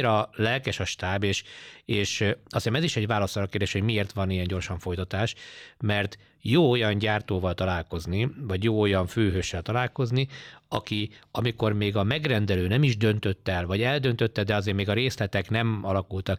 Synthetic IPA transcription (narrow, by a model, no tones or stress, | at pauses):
ɾɒlɛlkɛʃɒʃt̪aːbeːʃeːʃɒsiʃɛmɛziʃɛɟʋaːlɒsɒɾɒkerd̪eːʃho̞ɟmieːrt̪ʋɒnijɛɲɟo̞rʃɒɱfo̞jt̪ɒt̪aːʃmɛrt̪ | joːojɒnɟaːrt̪oːvɒlt̪ɒlaːlko̞znivɒɟjoːo̞jɒɱføːɦøːʃːɛlt̪ɒlaːlko̞zniɒkiɒmiko̞rmeːɡɒmɛɡrɛnd̪ɛløːnɛmiʒd̪ø̞nt̪ø̞t̪ːɛɛlvɒɟɛld̪ø̞nt̪øt̪ːɛd̪ɛɒzeːɾmeːɡɒɾeːslɛt̪ɛknɛmɒlɒkult̪ɒk